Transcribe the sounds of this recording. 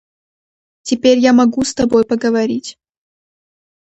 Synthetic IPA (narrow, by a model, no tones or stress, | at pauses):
tʲɪpʲeɾʲjamɐɡust̪ɐbojpəɡəvɐɾʲitʲ